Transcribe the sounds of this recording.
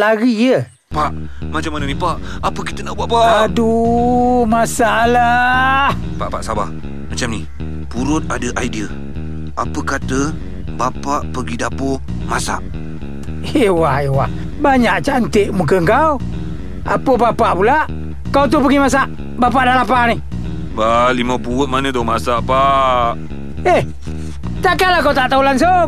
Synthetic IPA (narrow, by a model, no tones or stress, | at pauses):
laɡijə | paʔ | mat͡ʃamːanənipaʔ | apəkit̪ənabapaʔadu | masaʔlah | paʔpaʔsaba̰h | mat͡ʃamni | puɾʊt̪̚adəʔajdiə | apəkat̪ə | bapaʔpəɡidapo | masa̰ʔ | ewahewah | baɲaʔt͡ʃaʔnt̪eʔmukəŋkaw | a̰pəbapaʔpulaʔ | kawt̪upəɡimas̬aʔ | bap̬aʔdalapani | balimapuʊt̪̚manət̪omasaʔpaʔ | eh | t̪akalakat̪aʔt̪aulanso